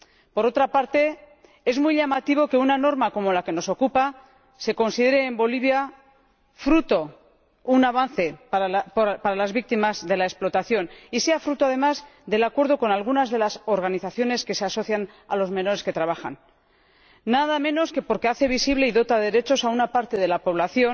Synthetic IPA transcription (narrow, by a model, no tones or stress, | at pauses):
po̞ɾo̞t̪ɾapaɾt̪e̞ | e̞zmujʎamat̪iβ̞o̞ke̞unano̞ɾmako̞mo̞lake̞no̞so̞kupa | se̞ko̞nsið̞e̞ɾe̞ːmbo̞liβ̞ja | fɾut̪o̞ | unaβan̟θe̞paalappaɾalazβik̚t̪imazðe̞laesplo̞t̪aθjo̞nise̞afɾut̪o̞að̞e̞mazðe̞lakwe̞ɾð̞o̞ko̞nalɣ̞unazðelaso̞ɾɣ̞aniθaθjo̞ne̞ske̞se̞aso̞θjan | a̰lo̞zme̞no̞ɾeske̞t̪ɾaβ̞axa̰nː | aðamẽ̞no̞ske̞po̞ɾke̞aθe̞βisiβle̞iðo̞t̪aðeɾe̞t͡ʃo̞saunapaɾt̪e̞ð̞e̞lapo̞β̞laθjo̞n